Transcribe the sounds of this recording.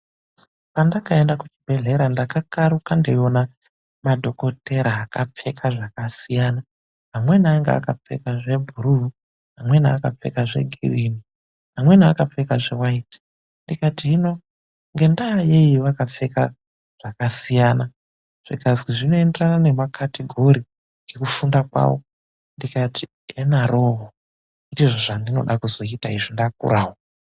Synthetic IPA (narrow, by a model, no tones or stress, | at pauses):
pandakaendakut͡ʃibʱe̞ɮe̞ɾandakakaɾukandeona | madʱo̞ko̞tʰe̞ɾaakap͡fe̞kʰaʐakasijaːna | ɦamwe̞naːŋɡḛa̰kap͡fe̞̰kaʐe̞bʱuɾuu | ɦamwe̞naakap͡fe̞̰kaʐe̞̰ɡʱḭrini | ɦamwe̞naakap͡fe̞kaʐewaiːti̥ | ndikatiino̞ | ŋɡe̞ndaje̞jiʋakap͡fe̞ka̰ | ʐ̥akasijaːna | ʐ̥iɡazɡiʐino̞e̞nderanane̞makʰatiɡʱo̞ɾi | ɡe̞kufundakwa̰ːwo | ndikatʰi | enaroɦo | itiʐoʐandino̞̰ɗakuzo̞itaiʐindakṵɾʔaːwo